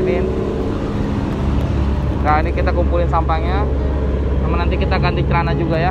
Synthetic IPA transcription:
nɪn | ɡainikit̪akumpulɪnsampaŋɲa | amanant̪̬ikit̪aːkandit͡ʃəɾanad͡ʒuɡaja

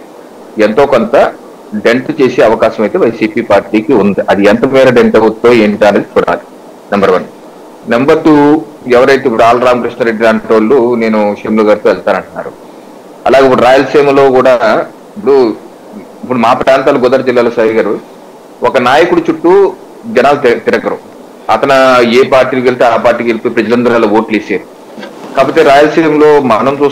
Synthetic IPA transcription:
ent̪o̞ːkont̪ɐ | ɖe̞ɳʈt͡ʃe̞ːseːɐʋɐkaːʃɐmɐjt̪e̞ːʋɐjsiːpiːpaːɾʈiːkiund̪iʔɐd̪iɛnt̪ɐmɛːɾɐɖeɳʈɐut̪ːoːeːɳʈ̪aːnɐd̪it͡ʃuːɽa̰ːli | nɐmbɐɾʋɐn | nembɐɾt̪uː | ɛʋɐɾɐjt̪eːipːuɽuaːlɐɾaːmkɾiʂɳɐɾe̞ɖːiɾaːɳʈoːlːune̞ːnuʂemluɡaːɾt̪oːɛlt̪aːnɐɳʈunːa̰ːɾṵ | ɐ̰laːɡeip̬ːuɽuɾaːjɐlseːmlo̞ːkuːɽaː | ipːuɽu | ipːuɽumaːpɾaːnt̪aːluɡɔd̪ɐɾɐd͡ʒilːaːlusaːɦiɡaːɾu | ɔkɐnaːjɐkuɽut͡ʃuʈːu | d͡ʒɛnaːlut̪iɾɐɡɐɾu | ɐt̪ɐnɐeːpaːɾʈːiːlukelit̪eːaːpaːɾʈiːkelipojipɾɐd͡ʒɐlɐnd̪ɾaːloːoːʈliːseːɾu | kaːp̬oːt̪ːeːɾaːjɐlseːmlo̞ːmɐnɐmt͡ʃuːs

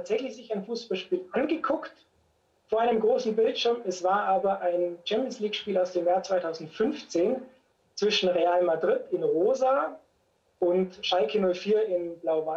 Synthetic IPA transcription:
atz̥ɛçlɪçz̥ɪçaɪnfuːsb̥alʃpiːlʔanɡəkʰʊkt | foːɐaɪnəmɡʁoːsn̩bɪltʃɪɐmɛsv̥aːɐʔaːbɐʔaɪnt͡ʃɛmpjənsliːkʃpiːlaʊsd̥eːmjaːɐt͡sv̥aɪtʰaʊzn̩tfʏnft͡seːn | t͡sv̥ɪʃn̩ʁeaːlmadʁɪtɪnʁoːza | ʔʊntʃaɪkʰənʊlfiːɐɪnblaʊva

